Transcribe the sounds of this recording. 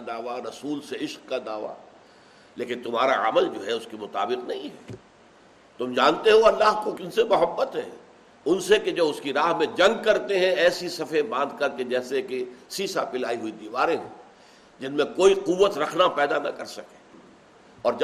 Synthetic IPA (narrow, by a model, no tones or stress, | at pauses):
d̪aːʋaɾɐsuːlseɪʃqkad̪aːʋa̰ | leːkɪ̃nt̪ʊmɦaːɾaa̰məld͡ʒoːɦɛʊskemʊt̪a̰ːbɪqnɐɦĩɦɛː | t̪ʊmd͡ʒaːnt̪eɦõɐlːaːɦkokɪnsemʊɦəbːət̪ɦɛ̰̃ː | ʊnseked͡ʒɐbʊskiɾaːɦmẽd͡ʒɐ̃ŋɡ̚kɐɾt̪eɦɛ̃ɛːsisɐfẽbãːnd̪̚ʱkɐɾt̪ed͡ʒɛːsekesiːsapɪlaːiɦʊid̪iːʋaːɾẽɦɛ̃ | d͡ʒɪnmẽkoːiquʋːət̪ɾɐkʰnapɛːd̪anɐ̰kɐɾsɐke̥ | ɔːɾd͡ʒ